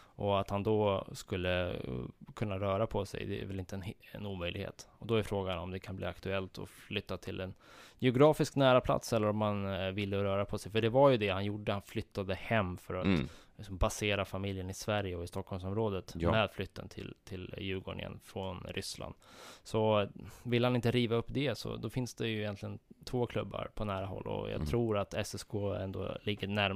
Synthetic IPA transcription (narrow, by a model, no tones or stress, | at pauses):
ʔɔat̪hand̪ɔskɵlːə | kʰɵnːaɾœːɾapʰɔsɛ̰jd̪ɛ̰æ̰vɛlɪnt̪ənɛ̰nuːmœjlɪɡhḛːt̪ɔd̪ɔæɾfɾoːɡanɔmd̪ɛkʰanblḭːakt̪ɵɛlt̪ʰɔ̰flʏt̪ːat̪ʰɪlɛnjɛʊɡɾɑːfɪsknæːɾapʰla̰t̪sɛlːəɾɔmːanvɪlːəɾœːɾapʰɔsɛjfœɖɛvaɾjɵd̪ɛhanjʊɖəhanflʏt̪ːad̪əhɛmːfœɾat̪lɪksɔmbaseːɾafamɪljənɪsvæɾjəɔɪst̪ɔkʰːhɔlmsɔmɾoːd̪ət̪mɛːd̪flʏt̪ːə̰nt̪ʰɪ̰lt̪ʰɪljʉ̟ːɡoːɳɪ̰ə̰nfɾɔnɾʏ̰sla̰nd̪sɔvɪlːhanɪnt̪əɾiːvaɵpːd̪ɛsɔ̰d̪ɔfɪnsd̪ɛjɵɪjɛnt̪lɪɡənt̪ʰvoːkʰlɵbːa̰ɾpʰɔnæːɾaɦɔ̰lːɔ̰jɑ̰ːt̪ʰɾuːɾat̪ɛsɛskʰoːɛ̰nd̪o̰ːlɪɡːənæɾ